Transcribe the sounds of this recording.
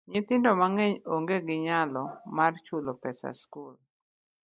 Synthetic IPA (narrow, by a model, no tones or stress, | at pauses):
ɲɪt̪ɪndɔmaŋɛɲoŋɡeɡɪɲalɔmart͡ʃulopɛsa̰skul